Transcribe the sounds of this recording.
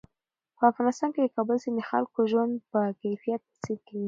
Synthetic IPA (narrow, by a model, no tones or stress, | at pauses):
pəafɣɑnɪst̪ɑnked̪əkɑbəlsed̪əxa̰lkoʒwand̪pəkajfijat̪̚səkawi